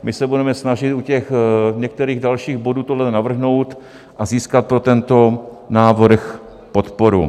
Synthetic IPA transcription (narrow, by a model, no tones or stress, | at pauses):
mɪsɛbudɛmɛsnaʒɪt̪ucɛxɲɛk̚t̪ɛɾiːɣdalʃiːɣboduːt̪odlɛnavr̩ɦno̞wt̪ | ʔaziːskat̪̚pɾot̪ɛnt̪o̞ | naːvr̩x | po̞t̪po̞ɾṵ